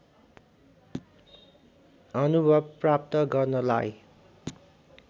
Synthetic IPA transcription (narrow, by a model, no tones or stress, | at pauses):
ʌnubʱʌbprapt̪ʌɡʌrnʌlaj